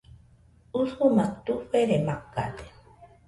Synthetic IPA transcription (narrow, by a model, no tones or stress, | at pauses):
usumat̪uɸeɾemakːa̰t̪e̥